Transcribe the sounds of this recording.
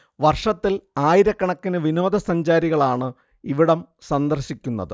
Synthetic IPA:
ʋɐrʂɐt̪ːilaːjiɾɐkːɐɳɐkːinɨʋino̞ːd̪ɐsɐɲd͡ʑaːɾiɣɐɭaːɳɨ | iʋiɽɐm | sɐnd̪ɐrɕikʲːunːɐðɨ

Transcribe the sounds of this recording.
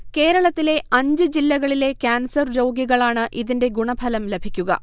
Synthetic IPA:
ke̞ːɾɐɭɐt̪ːile̞ʔɐɲd͡ʑɨd͡ʑilːɐɣɐɭile̞kʲaːnsɐrɾo̞ːɡjiɣɐɭaːɳɨʔiðinde̞ɡuɳɐbʱɐlɐmlebʱikʲːuɣɐ̰

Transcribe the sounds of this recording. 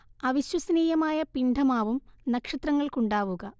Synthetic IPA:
ɐʋiɕwɐsɐniːjɐmaːjɐpiɳɖʱɐmaːʋumnɐkʂɐt̪rɐŋːɐɭkuɳɖaːʋuɣɐ

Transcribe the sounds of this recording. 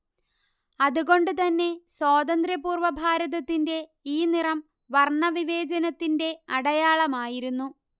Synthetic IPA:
ɐðuɣo̞ɳɖɨt̪ɐnːe̞swoːd̪ɐnd̪ɾjɐpuːrʋɐbʱaːɾɐðɐt̪ːinde̞iːnirɐm | ʋɐrɳɐʋiʋe̞ːd͡ʑɐnɐt̪ːinde̞ɐɽɐjaːɭɐmaːjiɾunːu

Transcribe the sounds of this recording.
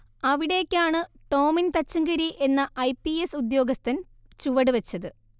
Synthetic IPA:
ɐʋiɽe̞ːkʲːaːɳɨʈo̞ːmint̪ɐt͡ɕːuŋɡɐɾiʔe̞nːɐʔɐjpːiesud̪jo̞ːɡɐst̪ʰɐn | t͡ɕuʋɐɽɨʋɐt͡ɕːɐðɨ

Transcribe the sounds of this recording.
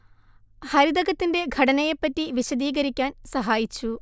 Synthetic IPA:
hɐɾid̪ɐɣɐt̪ːinde̞ɡʱɐɽɐnɐjepːɐtːiʋiɕɐd̪iːɡɐɾikʲːaːnsɐɦaːjit͡ɕːu

